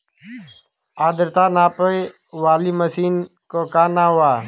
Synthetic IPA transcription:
aːd̪əɾt̪aːnãːpəi | ʋaːliːməsiːn | koːkaːnaːɦʊaː

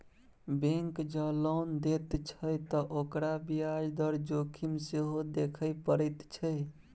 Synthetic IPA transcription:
bẽŋkd͡ʒəlond̪et̪t͡ʃʰəjt̪ɔʔokɾabijad͡ʒd̪əɾd͡ʒokʰimseɦod̪ekʰəjpəɾət̪t͡ʃʰəj

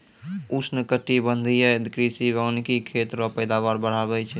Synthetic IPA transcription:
usnəkəʈibənd̪ʱijəed̪kɾisibankikʰet̪ɾɔpəjd̪aβaɾbəɽ̤aβɛt͡ʃʰ

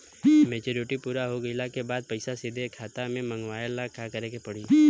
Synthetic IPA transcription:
meːt͡ʃoːɾɪʈipuːɾaɦoɡəɪlakebaːd̪̚pəɪsasɪd̪ʱekʰaːt̪amẽmə̃ŋɡʋaːjəlakʰakəɾekepɐɽ̤iː

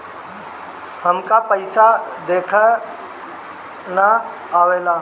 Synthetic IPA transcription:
həmkapəɪsad̪eːkʰə | na | aːʋeːlaː

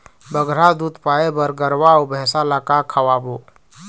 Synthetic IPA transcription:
bəɡɾad̪ud̪paːebəɾɡəɾwaobɛsalakakʰəwabo

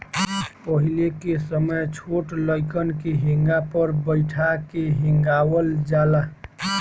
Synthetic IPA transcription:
pəɦilekesəməjt͡ʃʰoʈləɪkənkeɦĩŋɡapəɾbəɪʈʰakeɦĩŋɡawəld͡ʒala

